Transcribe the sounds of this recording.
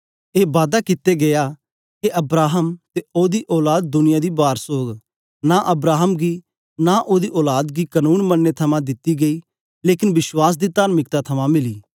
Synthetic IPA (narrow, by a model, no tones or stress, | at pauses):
eːbaːd̪akɪt̪eɡɐjaː | keʔɐbɾaːɦəmt̪eoːd̪iːʔɔːlaːd̪̚d̪ʊnɪjad̪ibaːɾsoːɡ | naʔɐbɾaːɦəmɡiː | naʔoːd̪iʔɔːlaːd̪ɡikɐnuːnmɐnːet̪ʰɐmãd̪ɪt̪ːiɡɐiː | leːkɪnbɪʃwaːs̬d̪it̪aːɾmɪk̚t̪at̪ʰɐmãmɪliː